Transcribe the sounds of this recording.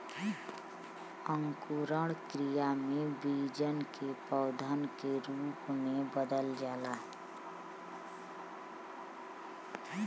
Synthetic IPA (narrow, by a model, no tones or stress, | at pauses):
əŋkuɾəɽkɾijamẽbid͡ʒənkepəʊd̪ʱənkeɾuːpmẽbəd̪əld͡ʒaːla